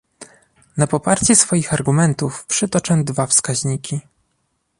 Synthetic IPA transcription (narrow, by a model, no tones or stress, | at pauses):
napɔpaɾt͡ɕɛsfɔjixaɾɡumɛnt̪ufpʂɛt̪ɔt͡ʂɛ̃d̪vafskaʑɲikʲi